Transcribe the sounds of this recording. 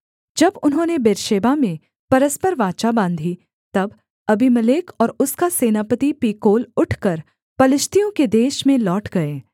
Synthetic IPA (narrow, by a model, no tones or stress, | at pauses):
d͡ʒɐbʊnɦõːnebeːɾʃeːbamẽ | pɐɾəspəɾʋaːt͡ʃabãːnd̪ʱi | t̪ɐb | ɐbʱimɐleːkʰɔːɾʊskaseːnaːpət̪ipiːkoːlʊʈʰkɐɾ | pɐlɪʃt̪ijõked̪eːʃmẽlɔːʈɡɐeː